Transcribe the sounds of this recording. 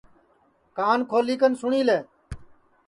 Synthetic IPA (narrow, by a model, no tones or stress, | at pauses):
kaːnkʰoːliːkənsʊɳiːleː